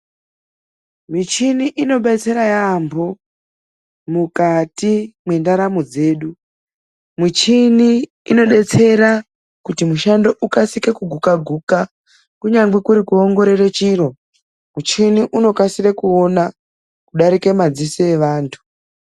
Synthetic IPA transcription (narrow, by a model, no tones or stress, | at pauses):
mit͡ʃiniʔino̞ɓet͡se̞ɾajambo̞ | mukatimwe̞ndaɾamod͡ze̞ːɗu | mit͡ʃiniː | no̞ɗe̞t͡se̞ɾa | kutimuʃando̞ʔukasike̞kuɡʱukaɡʱuka | kuɲaŋɡekuɾikuoŋɡo̞ɾeret͡ʃiɾo̞ | mut͡ʃiniʔuno̞kasirekuona | kuɗaɾike̞mad͡zisoeʋaːntʰu̥